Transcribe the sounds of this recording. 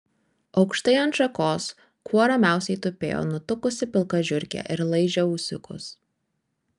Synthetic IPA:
ɒʊkʃt̪ɐɪɐnt̪ʃɐkoːs | kuɔɾɐmʲæˑʊsʲɛɪt̪ʊpʲḛːjo̰ːnʊt̪ʊkʊsʲɪpʲɪlˠkɐʒʲʊɾʲkʲɛ̰ʔɪɾlˠɐɪʒʲɛuːsʲʊkʊ̰s

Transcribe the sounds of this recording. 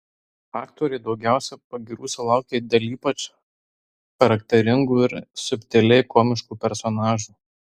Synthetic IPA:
ɑːkt̪oːɾʲɛɪd̪ɒʊɡʲæˑʊsʲɛpɐɡʲiːɾuːsʲɛlˠɑˑʊkʲeːd̪ʲɛːlʲiːpɐt͡ʃ | xɐɾɐkt̪ʲɛɾʲɪŋɡuːɪɾsʊpʲt̪ʲɛlʲɛɪkoːmʲɪʃkuːpʲɛɾsɔnɑːʒuː

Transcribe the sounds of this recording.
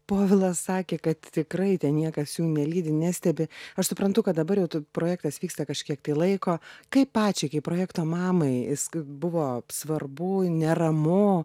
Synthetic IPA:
poːʋʲɪlˠɐssɑːkʲeːkɐt̪t̪ʲɪkɾɐɪt̪ʲɛnnʲiɛkɐsjuːnʲɛlʲiːd̪ʲɪnʲæsʲt̪ʲɛbʲɪɐʃsʊpɾɐnt̪ʊkɐt̪̚d̪ɐbɐɾjɛʊt̪ʊpɾoːjæːkt̪ɐsʋʲiːkst̪ɐkɐʃʲkʲiɛk̚t̪ɐɪlˠɐɪkoːkɐɪppːɑːt͡ʃʲɛɪkɐɪppɾoːjæːkt̪oːmɑːmɐɪɪsbʊʋoːsʋɐrbʊnʲɛrɐmʊ

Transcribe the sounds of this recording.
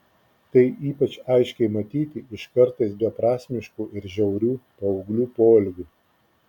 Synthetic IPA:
t̪ɐɪʔiːpɐt͡ʃɐɪʃʲkʲɛɪmɐt̪ʲiːt̪ʲɪɪʃkɐɾt̪ɐɪsbʲɛpɾɑːsʲmʲɪʃkuːʔɪɾʒʲɛʊɾʲuːpɐɔʊɡlʲuːpoːlʲɡʲuː

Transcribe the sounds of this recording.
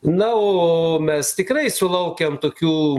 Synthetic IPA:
nɐoːomʲɛst̪ʲɪkɾɐɪsʊlˠɐʊkʲɛmt̪oːkʲuː

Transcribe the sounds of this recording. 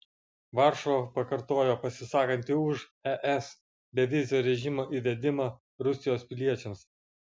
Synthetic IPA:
ʋɑˑɾʃopɐkɐɾt̪oːjoːpɐsʲɪsɑːkɐnʲt̪ʲɪʊʃ | ɛʔɛs | bʲɛʋʲɪzʲɪjoːɾʲɛʒʲɪmoːʔiːʋʲɛd̪ʲɪmɑ | ɾʊsʲɪjoːspʲɪlʲiɛt͡ʃʲɛms

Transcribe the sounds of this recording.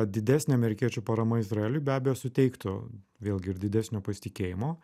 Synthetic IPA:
d̪ʲɪd̪ʲæːsʲnʲeːɐmʲɛɾʲɪkʲiɛt͡ʃʲuːpɐɾɐmɐɪzɾɐeːlʲʊjbʲæːbʲɛjoːsʊt̪ʲɛɪkt̪o | ʋʲeːlˠʲɡʲɪɪɾd̪ʲɪd̪ʲæsʲnʲoːpɐsʲɪ̥t̪ʲɪkʲeːjɪmoː

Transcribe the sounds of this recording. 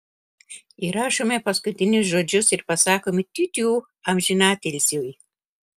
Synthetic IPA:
iɾaːʃʊmepɐskʊt̪ʲinʲusʒod͡ʒʊsɪrpɐsaːkomit̪ʲyt̪ʲjuː | amʒinaːt̪ʲelʲsʲuj

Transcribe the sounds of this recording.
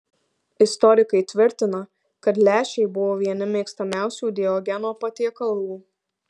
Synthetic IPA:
ɪst̪ɔɾʲɪkɐɪt̪ʲʋʲɪɾʲt̪ʲɪnɐ | kɐt̪lʲæːʃʲɛɪbʊʋoːʋʲiɛnʲɪmʲeːkst̪ɐmʲæˑʊsʲuːd̪ʲeɔɡʲɛnoːpɐt̪ʲiɛkɐlˠʋuː

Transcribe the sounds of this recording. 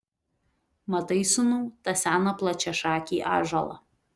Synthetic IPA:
mɐt̪ɐɪsʊnuːt̪ɐsʲæːnɐplˠɐt͡ʃʲɛʃɑːkʲiːʔɑ̰ːʒɐlˠɐ̰

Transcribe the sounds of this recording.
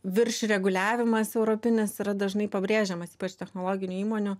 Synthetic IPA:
ʋʲɪrʲʃʲɾʲɛɡʊlʲæːʋʲɪmɐsɛʊɾoːpʲɪnʲɪsɪɾɐd̪ɐʒnɐɪpɐbʲɾʲeːʒʲɛmɐsi̥ːpɐt͡ʃt̪ʲɛxnoːlˠoːɡʲɪnʲʊiːmoːnʲʊ

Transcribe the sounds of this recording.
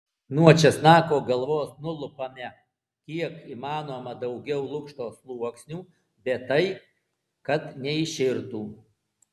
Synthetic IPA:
nuɔt͡ʃʲɛsnɑːkoːɡɐlˠʋoːsnʊlˠʊpɐmʲɛ | kʲiɛkimɑːnoːmɐd̪ɐʊɡʲɛʊlˠʊkʃt̪oːslˠuɔksʲnʲuː | bʲɛt̪ːɐɪ | kɐt̪nʲɛɪʃʲɪɾt̪uː

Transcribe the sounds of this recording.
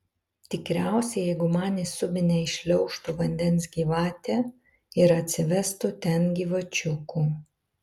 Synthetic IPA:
t̪ʲɪkɾʲæˑʊsʲɛjɛɪɡʊmɑːnʲɪsʊbʲɪnʲɛɪʃʲlʲɛʊʃt̪ʊʋɐnʲd̪ʲɛnsɡʲiːʋɑːt̪ʲɛː | ɪɾɐt̪ʲsʲɪʋʲɛst̪ʊt̪ʲɛnɡʲiːʋɐt͡ʃʲʊkuː

